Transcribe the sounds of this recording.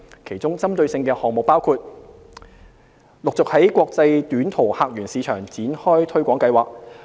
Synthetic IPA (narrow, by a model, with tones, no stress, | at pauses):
kʰe˨˩jt͡sʊ˥ŋt͡sɐ˥mt̪ɵ˧ɥsɪ˧ŋkɛː˧hɔː˨ŋ̚mʊ˨k̚paː˥wkʰuː˧t̚ | lʊ˨k̚t͡sʊ˨k̚hɐ˨˥jkʷɔː˧k̚t͡sɐ˧jt̪yː˨˥nt̪ʰo˨˩whaː˨k̚jyː˨˩nsiː˨˧t͡ʃʰœː˨˩ŋt͡siː˨˥nhɔː˥jt̪ʰɵ˥ɥkʷɔː˨˥ŋkɐ˧jwaː˨k̚